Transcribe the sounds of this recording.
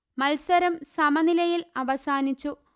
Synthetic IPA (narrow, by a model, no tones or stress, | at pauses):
mɐlsɐɾɐmsɐmɐnilɐjilɐʋɐsaːnit͡ɕːu